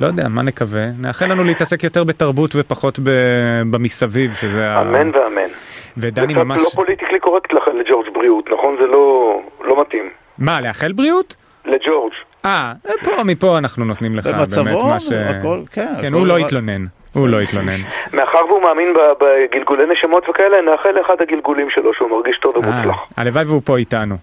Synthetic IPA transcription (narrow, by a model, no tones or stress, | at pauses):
lojodeamane̞kaveneaχelanuleitase̞kjo̞teʁbe̞taʁbutvepaχo̞tbebamisavivʃezeaamenveamḛnved̪animamalʃopolit̪iklikoʁekt̪leaχeled͡ʒoʁd͡ʒbʁiut̪naχo̞nzelo̞lomat̪im | maleaχelbʁiut | led͡ʒoʁd͡ʒ | apo̞mipo̞anaχnuno̞tnimleχaabememaʃeolkenhulo̞it̪lo̞ne̞n | hulo̞it̪lo̞nenme̞aχaʁveumaːminbabeɡilɡuleneʃamotvekaeleneaχeleχadhaɡilɡulimʃelo̞ʃeumaʁɡiʃtovemula̰χa̰levajveupo̞itanu